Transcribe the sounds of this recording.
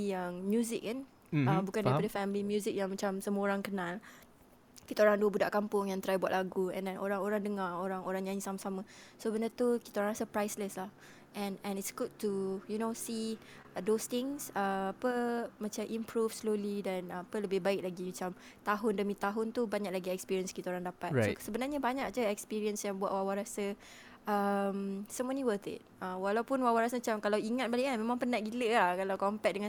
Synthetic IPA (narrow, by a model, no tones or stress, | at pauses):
jaŋmjuzɪk̚ːan | əmbukandaɾipadəfɛmlimjuzɪk̚jaŋmat͡ʃamsəmuəoɾaŋkənãl | kit̪aoɾaŋduəbudaʔkampʊŋjaŋt̪ɾajbwaʔ̪ʔlaɡuɛ̰̃ndɛnʔoɾaŋoɾaŋdəŋaoɾaŋoɾaŋɲaɲĩsamasaməsobənat̪uki̥t̪aoɾãŋsəpɾajsləslah | ʔɛ̃nɛ̃nitsɡud̚tujunosi | dost̪ɪ̃ŋsəapəmat͡ʃamʔimpɾufslolidanpələbɪhbaɪk̚laɡimat͡ʃam | t̪aɦʊndəmĩt̪aɦʊnt̪ubaɲaklaɡiɛkspiɾiənskit̪aoɾaŋdapat̪̚sosəbənarɲəbaɲak̚d͡ʒəɛk̚spiɾiənsjambwaʔ̚wawaɾasə | əmsoməniwət̪ɪ̰t̚əwalawpunwawaɾasəmat͡ʃamkalawiŋat̪̚baliʔanmẽmãŋpənaʔɡiləakalawkɔmpɛk̚dəŋã